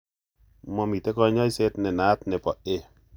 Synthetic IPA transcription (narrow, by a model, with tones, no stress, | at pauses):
mɔ˦mi˨te˦kɔ˦˨˦ɲa˦i˦se˦tnɛ˨na˨˦t̚nɛ˨pɔ˨ʔe˦˨